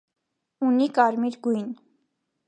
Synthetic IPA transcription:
unikɑɾmiɾɡujn

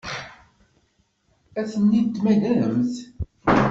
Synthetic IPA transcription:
æθənːid̪mæðæɾəmθ

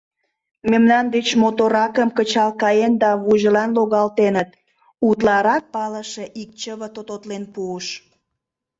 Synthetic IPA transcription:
memnɑnd̪et͡ɕmot̪oɾɑkəmkət͡ɕɑlkɑjend̪ɑβuʒəlɑnloɣɑlt̪enət̪ | ut̪lɑɾɑk̚pɑləʃeʔik̚t͡ɕəβət̪ot̪ot̪lenpuəʃ

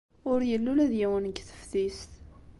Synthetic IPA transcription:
ʊɾjəlːulæðjæwənəɡθə̥fθist̪

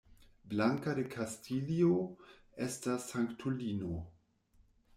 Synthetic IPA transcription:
blaŋkadekʰastilio | estasːaŋktʰulino

